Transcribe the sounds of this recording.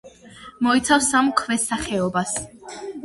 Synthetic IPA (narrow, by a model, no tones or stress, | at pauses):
mɔit̪sʰafsamkʰvɛsaχɛɔbas